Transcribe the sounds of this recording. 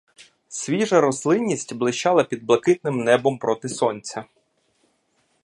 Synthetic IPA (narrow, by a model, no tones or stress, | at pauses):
sʲʋʲiʒɐɾɔslˠɪnʲːisʲtʲblˠɪʃt͡ʃɑlˠɐpʲid̪̚blˠɐkɪt̪nɪmnɛbɔmpɾɔt̪ɪsɔnʲt͡sʲɐ